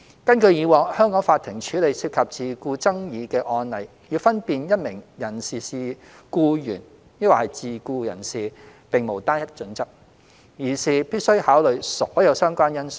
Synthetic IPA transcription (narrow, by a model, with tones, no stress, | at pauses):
kɐ˥nkɵ˧ɥjiː˨˧wɔː˨ŋhœː˥ŋkɔː˨˥ŋfaː˧t̪ʰɪ˨˩ŋt͡ʃʰyː˨˥le˨˧jsiː˧p̚kʰɐ˨p̚t͡siː˨kuː˧t͡sɐ˥ŋjiː˨˧kɛː˧ʔɔː˧nlɐ˨j | jiː˧fɐ˥npiː˨njɐ˥t̚mɪ˨˩ŋjɐ˨˩nsiː˨siː˨kuː˧jy̰ː˨˩n | jɐ˥waː˨˩hɐ˨jt͡siː˨kuː˧jɐ̰˨˩nsiː˨ | pɪ˨ŋmo˨˩wt̪aː˥njɐ˥t̚t͡ʃɵ˨˥nt͡sɐ˥k̚ | jiː˨˩siː˨˩piː˥t̚sɵ˥ɥhaː˨˥wlɵ˨ɥsɔː˨˥jɐ˨˧wsœː˥ŋkʷaː˥njɐ˥ns